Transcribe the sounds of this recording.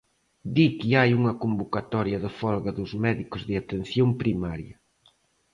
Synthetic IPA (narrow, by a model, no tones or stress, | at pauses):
d̪ikiajuŋɐkombokat̪ɔɾjɐðɪfɔlɣaðʊzmɛðikʊzðɪat̪en̟θjompɾimaɾjɐ